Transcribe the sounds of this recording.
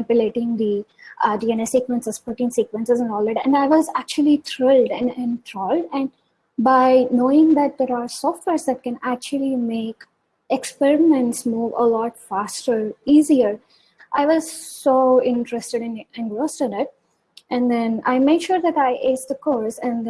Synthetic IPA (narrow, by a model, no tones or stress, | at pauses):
ɪpjəleːʈɪ̃ŋd̪id͡ʒiɛ̃nesikʋə̃nsəzpɔʈĩŋsiːkʋə̃nsɪzɛ̃nɔːld̪æʈɛ̰̃ɳɖaɪʋɔzæk̚t͡ʃuəlit̪ʰɾɪlɖɛ̃nɛ̃nt̪ʰɾɔlɖɛ̃ɳ | baɪnoːɪ̃ŋd̪æʈ̚d̪eɾaːɾsɔfʈʋeɾzd̪æʈ̚kɛ̃næk̚t͡ʃuəlimeːk | ekspɛɾɪmɛ̃nʈsmuːʋə̰lɔːʈfasʈəɾiːziəɾ | ʔaɪʋɔzsoːɪ̃nʈɾəsʈəɖɨ̃nɪ̃nɡɾosʈɪ̃nɪʈ̚ | ʔɛ̃nd̪ɛ̃na̰ɪmeːkʃuɾd̪æʈaɪʔeːsd̪əkoːɾsɛ̃nd̪